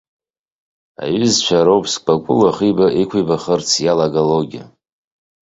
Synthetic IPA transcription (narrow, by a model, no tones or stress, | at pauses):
a̰ɥʏzt͡ʃʷʰaɾowpʰskʼb̥akʷʼʊlaχibaʔikʷʰijbaχərt͡sʰjalaɡaloɡʲia̰